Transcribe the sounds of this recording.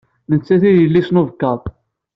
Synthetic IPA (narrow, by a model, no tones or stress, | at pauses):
mənt͡sːæθijəlːisnuvəkːɑɾˤ